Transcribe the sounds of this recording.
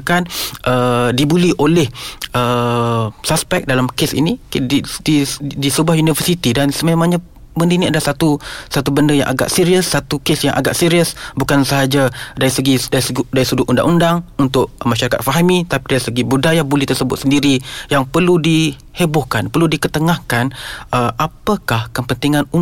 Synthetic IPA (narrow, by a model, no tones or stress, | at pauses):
kanʔədibuliʔolɛhə | saspɛk̚dalamkesḭnididisəbuahjunivəsit̪idansəmẽmãŋɲa | bəndəiniadasat̪usat̪ubəndəja̰ŋʔa̰ɡa̰ʔsiɾiəsːat̪ukesjaŋʔa̰ɡa̰ʔsiɾiəsbukansəɦad͡ʒadaɾisəɡidaisdaɾisuduʔunda̰ŋʔundaŋunt̪ʊʔ̚mãʃaɾaka̰t̪̚faɦamit̪apidaisəɡibudajabulɛht̪ərsəbʊt̪̚səndiɾijaŋpərludi | hebʊhkanpərludikət̪əŋahkanəʔapəkahkəpənt̪iŋanu